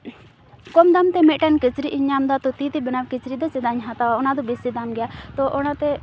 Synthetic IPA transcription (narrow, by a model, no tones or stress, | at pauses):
kɔmd̪amt̪ɛmɛʔʈɛnkit͡ʃɾiʔiɲamd̪at̪ɔt̪it̪ibɪnawkit͡ʃɾid̪ɔt͡ʃɛd̪aɲɦat̪aaɔnad̪ɔbisid̪amɡɛjat̪ɔʔɔnat̪ɛ